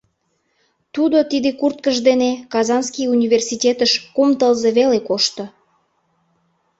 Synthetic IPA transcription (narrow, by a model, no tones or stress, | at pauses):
t̪ud̪ot̪id̪ekurt̪̚kəʒd̪enekɑzɑnskijunʲiversitʲet̪əʃkomt̪əlzeβelekoʃt̪o